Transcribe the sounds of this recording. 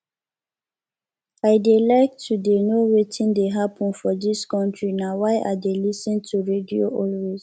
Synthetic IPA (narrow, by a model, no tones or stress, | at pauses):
ajdelaɪk̚tʰudenoɹetʰĩndeɦapʰɔ̃nfɔdiskɔ̃ntʰɹinawajʔa̰delisɔ̃ntʰuɹedioʔɔlɹiz̥